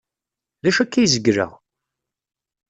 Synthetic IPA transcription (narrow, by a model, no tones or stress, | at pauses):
læʃækːæjzəɡɾə̰ʁ